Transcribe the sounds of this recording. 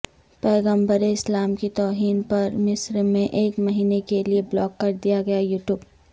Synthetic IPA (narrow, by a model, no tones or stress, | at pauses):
pɛːɡə̃mbəɾeɪslaːmkit̪ɔːɦiːnpɐɾmɪsɾmẽʔeːkmɐɦiːnekelieblɔːkːɐɾd̪ijaɡɐjajuːʈjuːb